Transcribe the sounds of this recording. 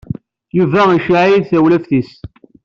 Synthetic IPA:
juvæiʃʕjiðθæwlæfθis

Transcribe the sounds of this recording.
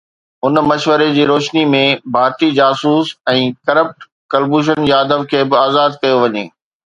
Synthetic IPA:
ɦʊnmɐʃʋəɾed͡ʑiːɾoːʃnimẽbʱaːɾt̪id͡ʑaːsuːsɛ̃ːkɐɾəp̚ʈ | kɐlbuːʃ̬ənd͡ʑiɐd̪əbkʰeːbɪaːzaːd̪kɐjoʋɐɲeː

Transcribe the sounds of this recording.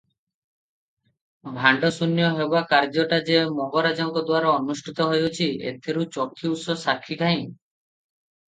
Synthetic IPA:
bʱaɳɖɔsunjɔɦebakaɾd͡ʒɔʈad͡ʒemɔɡɔɾad͡ʒɔŋkɔd̪waɾɔɔnusʈʰit̪ɔɦojot͡ʃʰiḛt̪ʰeɾut͡ʃɔkʰːiusɔsakʰːiʈʰaj̃

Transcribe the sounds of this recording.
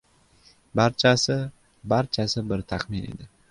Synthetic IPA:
baɾt͡ʃʰasɪ | baɾt͡ʃʰasɪbɪɾt̪ʰaχmɪnḛd̪ɪ

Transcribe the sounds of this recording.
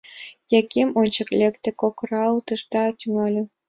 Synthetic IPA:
jɑkʲʰːemonʲt͡ɕɤ̆klʲekt̪ʲɘ̆kokrɑlt̪ɯʂt̪ɑt̪ʲyŋɑlʲɘ̆

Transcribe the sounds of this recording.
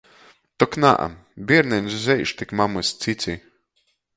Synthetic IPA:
t̪ɔkna̰ʔa̰mbʲiɛɾnɛnʲszʲɛjʃt̪ikmamɨsʲt̪sit̪sʲi

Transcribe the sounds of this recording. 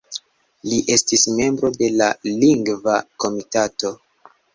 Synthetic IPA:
liʔe̞stisme̞mbɾo̞de̞laliŋɡvako̞mitato̞

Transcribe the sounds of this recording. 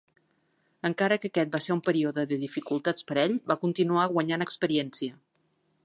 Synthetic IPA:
əŋkaɾəkəkɛt̪̚baseɾumpəɾioðəðəðifikulˠt̪at͡spəɾɛʎbakunt̪inuaɣwəɲanəkspəɾiɛnsiə

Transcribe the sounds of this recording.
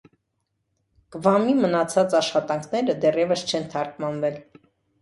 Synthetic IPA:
ɡ̥vɑmimənɑt͡sʰɑt͡sɑʃχɑt̪ɑŋkʰnɛɾəd̪ɛrjɛvəst͡ʃʰɛnt̪ʰɑɾkʰmɑnvɛl

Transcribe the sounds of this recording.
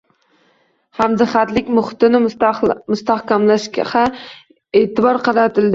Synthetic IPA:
hamd̪ɨχat̪lɪkʲmʊχɪ̥t̪ɪnɪmʊst̪ɑhkʲamlaʃʲχa | eːt̪ɪbɒɾqʰɑɾat̪ʰɪld̪ɪ

